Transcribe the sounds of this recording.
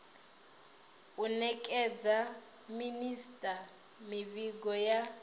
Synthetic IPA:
unɛkʼɛd͡za | ministʼa | miβiɡɔja

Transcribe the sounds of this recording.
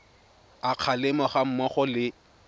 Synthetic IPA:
aq͡χʰalɪmɔχam̩mɔχɔlɪ

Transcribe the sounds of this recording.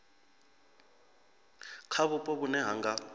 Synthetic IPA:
kʰaβupʼɔβunɛɦaŋɡa

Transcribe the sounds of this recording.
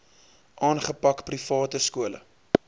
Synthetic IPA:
ʔɑːnχəpɐkprifɑːtəskuələ̰

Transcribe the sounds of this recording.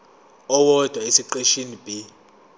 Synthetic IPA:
ɔwɔd̥ʱwaisiǃeʃinib̥ʱʼi

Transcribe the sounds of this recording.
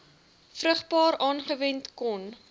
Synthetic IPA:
frəχbɑːɾɑːnχəvɛntkɔn

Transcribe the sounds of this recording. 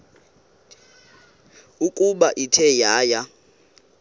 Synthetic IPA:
ukʼuɓaʔitʰɛjaːja

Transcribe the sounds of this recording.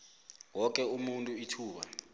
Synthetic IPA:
wɔk̬ʼɛumuntʼuitʰuːɓa̰

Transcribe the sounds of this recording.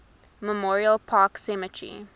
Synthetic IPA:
məmɔːɹiəlˠpʰɑːksɛmətʰɹḭ

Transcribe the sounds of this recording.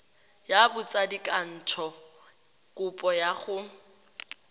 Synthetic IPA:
jabʊt͡sʼadikʼan̩t͡ʃʰɔ | kʼʊpʼɔjaχʊ

